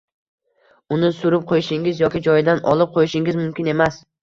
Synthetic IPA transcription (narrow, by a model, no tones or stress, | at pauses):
ʊnɪsʊɾɪp̚qʰojɪʃɪŋʲɪzjɒkʲɪd͡ʒɒjd̪anɒ̰lˠɪp̚qʰojɪʃɪŋʲɪzmʊmkʲɪne̞mas